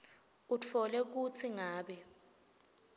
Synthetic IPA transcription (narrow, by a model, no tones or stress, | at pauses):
ut͡fʰɔlɛk̬ut͡sʰiŋaːɓɛ